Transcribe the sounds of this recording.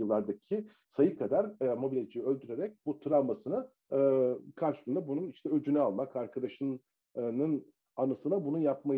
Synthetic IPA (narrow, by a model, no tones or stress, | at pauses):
ɯlˠːaɾd̪acʰi | sajɯkʰad̪aɾmo̞bilʲed͡ʒʰijølʲd̪yɾe̞ɾɛc̚but̪ʰɯɾammasɯna | kʰaɾʃɯlˠɯnd̪abununiʃt̪ʰɛød͡ʒynyalˠmakaɾkʰad̪aʃɯn | nɯn | anɯsɯnabununjapma